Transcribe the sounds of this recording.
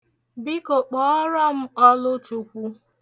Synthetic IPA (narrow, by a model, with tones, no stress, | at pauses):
bɪ˦ko˨k͡pɔ˨˦ɔ˦ɾɔ˦m̩˦ɔ˦lʊ˦tu˨kʷu˦